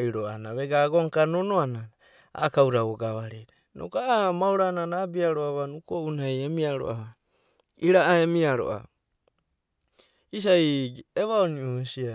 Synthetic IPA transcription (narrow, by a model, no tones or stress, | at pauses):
iɾoanaβeɡaɡoŋkanonoanana | a̰kawɾawoɡaβaɾiɾe | no̰kaamawɾananaːbiaɾoaβanukounajemiaɾo̰ʔaβa | iɾaʔaemiaɾo̰ʔa̰ | is̬ajeβaonioesia